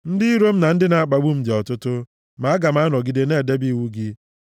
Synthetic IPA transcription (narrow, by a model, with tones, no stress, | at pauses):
n̩˦dɪ˦i˦ɾo˦m̩˦na˨n̩˦dɪ˦na˨a˦k͡pa˨ɡ͡bu˦m̩˨d͡ʒe˨ɔ˨tʊ˦tʊ˦ | ma˨˦ɡa˨ma˨˦nɔ˨ɡi˨de˨ne˦˨de˦bi˦˨wu˦ɡi˦